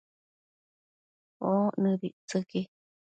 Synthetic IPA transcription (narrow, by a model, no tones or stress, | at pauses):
onɨ̃ɾiʔt͡sɨki